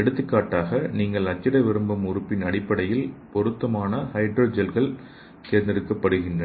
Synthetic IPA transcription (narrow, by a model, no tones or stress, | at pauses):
ɛɽɯt̪ːɯkːaːʈːaːɣɐniːŋɡɐɭɐt͡ʃːɪɽɐʋɪɾɯmbɐmʊɾɯpːɪnɐɽɪpːɐɽɐjɪlpɔɾɯt̪ːɐmaːnɐhɐɪɖɾoːd͡ʒɐlɣɐɭ | k̪eːɾnd̪ɪɾɯkːɐpːɐɽɯɣɪndrɐ